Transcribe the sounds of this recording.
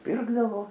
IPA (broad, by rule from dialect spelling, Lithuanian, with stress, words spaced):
ˈpʲɪrɡdɐʋoː